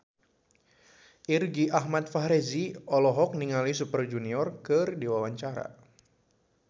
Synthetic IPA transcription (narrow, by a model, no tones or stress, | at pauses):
ʔirɡiʔaɦmat̪̚faɦɾeziɔlɔɦɔk̚niŋalis̬upərd͡ʒuniɔrkɨrdiwawaɲt͡ʃaɾa̰